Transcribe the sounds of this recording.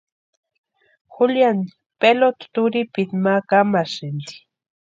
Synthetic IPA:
xuljan | pelot̪t̪uɾipit̪makamasind̪i̥

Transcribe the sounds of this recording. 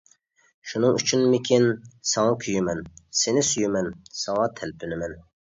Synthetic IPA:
ʃunɨŋyt͡ʃʰynmɪkʲʰinsɑŋɑkʲʰyjymɛnsenɪsyjymɛnsɑŋɑt̪ʰælpʰynɪmɛn

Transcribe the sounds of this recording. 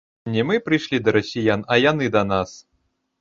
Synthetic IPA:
nʲimɨpɾɨjʂlʲid̪ɐɾosʲijanɐjanɨd̪ɐnas

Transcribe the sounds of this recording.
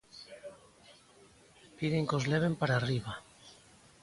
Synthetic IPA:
piðeŋkozleβ̞empaɾaːriβa

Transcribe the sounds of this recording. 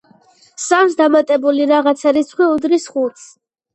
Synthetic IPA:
samsd̪amat̪ʼɛbuliɾaʁat̪sʰaɾisχʰwiud̪ɾisχut̪s

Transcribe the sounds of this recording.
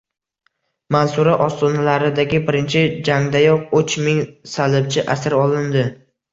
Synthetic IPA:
mansʊɾaʔɒst̪ɒnalaɾɪd̪aɡʲɪbɪɾɪnt͡ʃʰɪd͡ʒaŋd̪ajɒq̚ʊt͡ʃmɪŋsalɪb̚t͡ʃʰɪʔasɪɾɒlˠɪnd̪ɪ

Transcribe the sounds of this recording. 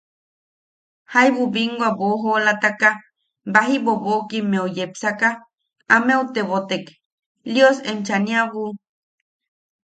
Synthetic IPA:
hajβubiŋɡʷaboɦolat̪aka | baɦibobokimeojepsaka | ameut̪eβot̪ek | ljosemt͡ʃaniaβu

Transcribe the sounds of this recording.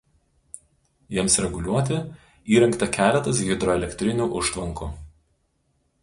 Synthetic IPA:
jiɛmsɾʲɛɡʊlʲuɔt̪ʲɪ | iːɾʲɛŋˑkt̪ɐkʲæːlʲɛt̪ɐs̬ɡʲɪd̪ɾɔɛlʲɛkʲt̪ʲɾʲɪnʲuːʔʊʃt̪ʋɐŋkuː

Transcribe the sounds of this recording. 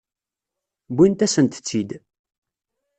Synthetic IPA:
bint̪æsənt̪t͡sːid̪

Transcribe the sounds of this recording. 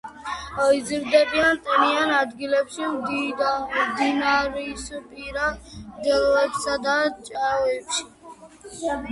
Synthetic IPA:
ɔizɾd̪ɛbiant̪ʼɛnianad̪ɡilɛpʃimd̪id̪ad̪inaɾisupʼiɾamd̪ɛlɔɛpsad̪at͡ʃʼaɔɛpʃi̥

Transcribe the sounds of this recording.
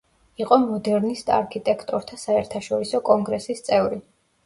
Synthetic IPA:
iqʼɔmɔd̪ɛɾnist̪ʼa̰ɾkʰit̪ʼɛkʰt̪ʼɔɾt̪ʰasaɛɾt̪ʰaʃɔɾisɔkʼɔŋɡɾɛsist̪sʼɛvɾi

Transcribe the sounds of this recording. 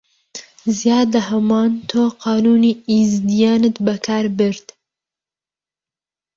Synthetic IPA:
zijɑːd̪ahɐmɑːnt̪ʰoqɑːnuniizd̪ijɑːnɨt̪bɐkʰaɾbɨɾd̪

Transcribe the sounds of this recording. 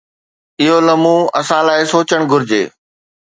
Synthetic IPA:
ɪɦolɐmũɐsãlaːɪsoːt͡ɕəɽ̃ɡʱʊɾɪd͡ʑḛː

